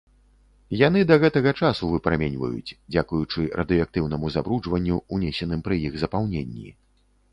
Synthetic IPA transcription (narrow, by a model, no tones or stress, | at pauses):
jan̪ɨd̪ɐɣɛt̪ɐɣɐt͡ʂasuvɨpɾamʲɛnʲvɐ̰jṵt͡sʲd͡zʲakujut͡ʂɨɾʔɐd̪ɨak̚t̪ɨwn̪ɐmuzabɾuʐvɐnʲːuunʲesʲɛnɨmpɾɨjiɣzɐpawnʲenʲːḭ